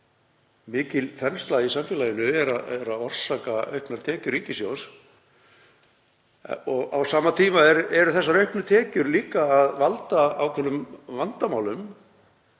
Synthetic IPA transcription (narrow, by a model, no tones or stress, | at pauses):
mɪːcɪlθɛnst̪laðisamfjɛlaːjɪnʏɛɾaɛɾaðɔr̥saːkaœ̰ɥhknaɾ̥t̪ʰɛːcʏɾiːcɪsjows | ɔɣawsaːmat̪ʰiːmaɛɾɛɾʏθɛsːaɾœɥhknʏt̪ʰɛːcʏɾliːkaːðvalt̪aawkʰvɛnːʏmvant̪amaːwlʏm